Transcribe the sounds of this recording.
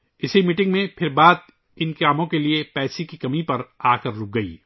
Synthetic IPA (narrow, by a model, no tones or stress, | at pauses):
ɪsimɪʈɪ̃ŋɡmẽpʰɪɾbaːd̪ | ɪnkaːmõkeliepɛːsikikɐmipɐɾaːkɐɾlʊk̚ɡɐḭː